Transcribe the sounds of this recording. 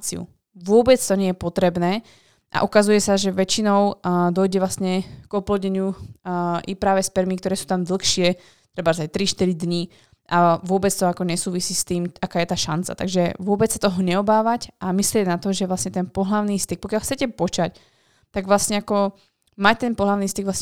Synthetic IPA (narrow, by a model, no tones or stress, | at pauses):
t͡sḭṵ | ʋʊɔbɛt͡st̪ɔɲɛjɛpɔt̪ɾɛbnɛː | ʔa̰ʔukazujɛsaʒɛʋɛt͡ʃinɔʊd̪ɔjɟɛʋlasɲɛɡ̥ɔplɔdɲɛɲɪu | ʔipɾaːʋɛspɛɾmik̚t̪ɔɾɛːsuːt̪amd̪l̩xʃɪɛ | t̪ɾɛbazact̪ɾiʃt̪iɾid̪ɲi | ʔaʋʊɔbɛt͡st̪ɔakɔɲɛsuːʋisiːst̪iːmakaːjɛt̪aːʃant͡sa̰t̪aɡʒɛʋʊɔbɛt͡ssḁt̪ɔɦɔɲɛɔbaːʋacʔamislɪɛɟnat̪ɔʒɛʋlasɲɛt̪ɛnpɔɦlaʊniːst̪ik̚pɔkjalˠxt͡sɛcɛpɔt͡ʃac | t̪aɡʋlasɲɛakɔ | mac̚t̪ɛnpɔɦlaʊniːst̪iɡʋlasɲɛ